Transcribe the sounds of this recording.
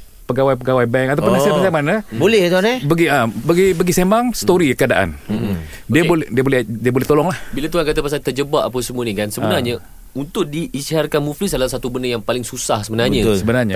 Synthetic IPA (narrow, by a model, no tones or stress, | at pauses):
pəɡawajp̬əɡawajbɛŋkat̪awpʊnasaasamanə̃bolɛht̪uɦanbəɡiəbəɡibəɡisemaŋsə̥t̪oɾikəadaʔa̰n | diəbolɛdiəbolɛdiəbolɛht̪olɔŋlahbilat̪uɦankat̪apas̬at̪ərd͡ʒəbaʔ̚ap̬əsəmuənikansəbənarɲa | unt̪ʊʔ̚diːsiɦaɾkanmuflisdalasat̪ubənəjaŋpalɪŋsusahsəbənarɲãsəbənarɲa